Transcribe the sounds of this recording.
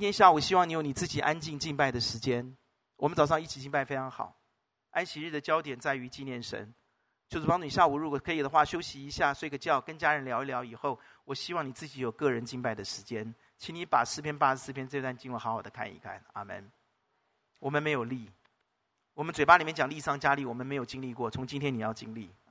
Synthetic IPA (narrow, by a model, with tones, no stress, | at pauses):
t͡ɕi˥nt̪ʰjɛ˥nɕja˥˩u˨˩ɕi˥wɑ˥˩ŋni˧˥jʊni˨˩t͡sɹ̩˥˩t͡ɕi˨˩ʔa˥nt͡ɕi˥˧ŋt͡ɕi˥˧ŋpa˥˩ɪd̪ə˩ʂɻ̩˧˥t͡ɕjɛ˥n | wɔ˨˩ə˦nt͡sɑ˨ʊʂ̬ɑ˥˧ŋi˥˩t͡ɕʰi˨˩t͡ɕi˥˧ŋpa˥˩ɪfe˥ɪʈ͡ʂʰɑ˧˥ŋxɑ̰˨˩˦ʊ | a˥nɕi˧ɻ̩˥˩d̪ə˩t͡ɕjɑ˥ʊt̪jɛ˨˩nt͡sa˥˩ɪy˧˥t͡ɕi˥˧njɛ˥˩nʂə̰˧˥n | t͡ɕjo˥˧ʊʂɻ̩˥pɑ˥ŋʈ͡ʂu˥˧ni˨˩ɕja˥˩u˨˩ɻu˧˥kɔ˨˩kʰɤ˧˥i˨˩d̪ə˦xwa˥˩ɕjo˥ʊɕi˧i˧˥ɕja˥˩swɡə˧˦t͡ɕjɑ˥˩ʊkə˥nt͡ɕja˥ɻə˧˥nljɑ˧˥ʊ˧˥ljɑ˧˥ʊi˨˩xo˥˩ʊ | wɔ˨˩ɕi˥wɑ˥˩ŋni˨˩t͡sɹ̩˥˩t͡ɕi˧˥jo˨˩ʊkɤ˥˩ɻə˧˥nt͡ɕi˥˧npa˥˩ɪd̪ə˩ʂɻ̩˧˥t͡ɕjɛ˥n | t͡ɕʰi˧˥ni˧˥pa˨˩ʂɹ̩˥˩pʰjɛ˥npa˥˩ə˧˩sɹ̩˥˩pʰjɛ˥nt͡sɤ˥˧t̪wa˥˧nt͡ɕi˥˩ŋlə˨˩xɑ˧˥ʊxɑ˨˩ʊd̪ə˦kʰa̰˥˩nḭ˧˥kʰa̰˥˩na̰˨˩mə̰˥˧n | wɔ˨˩mə˧˦nme˧˥ɪjo˨˩ʊli˥˩ | wɔ˨˩mə˦nt͡swe˨˩ɪpa˥li˨mjɛ˥˩t͡ɕɑ˨˩ŋli˥˧ʂɑ˥˩ŋt͡ɕja˥li˥˩wɔ˨˩mə˦nme˧˥ɪjo˨˩ʊt͡ɕi˥ŋli˥˧kwɔ˥˩t͡sʰʊ˧˥ŋt͡ɕi˥nt̪ʰjɛ˥ni˨˩jɑ˥˩ʊt͡ɕi˥ŋlḭ˥˩